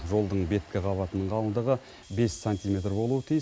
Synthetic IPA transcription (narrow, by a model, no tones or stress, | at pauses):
ʒo̞lˠd̪əɴbe̞t̪̚kʲɪʁɑβɑt̪ənəɴʁʰɑlˠənd̪əʁə | be̞ssanʲt̪ime̞t̪rbo̞lˠuət̪ʰij